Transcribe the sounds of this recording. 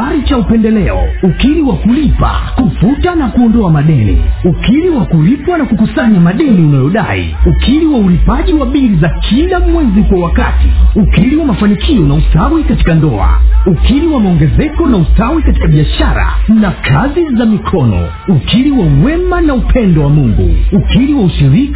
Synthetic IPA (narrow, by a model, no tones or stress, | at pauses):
aɾit͡ʃaupɛndɛlɛɔ̰ukiɾiwakulipa̰kufutanakuɔndɔamaɗɛnḭukiɾiwakuɾipwanakukusaɲamaɗɛniunajɔɗa̰ḭukʰiɾiwaulipaʄiwaɓiɾizakʰilamwɛzikwawakatiukiliwamafanikʰiɔnausawikati̥kandɔ̰a̰ukiliwamaɔŋɡɛzɛkɔnausawikati̥kaɓiaʃaɾa̰nakʰazizamikʰɔnɔ̰ | ukʰiliwauwɛmanaupʰɛndɔwamuŋɡṵukiliwauʃiɾik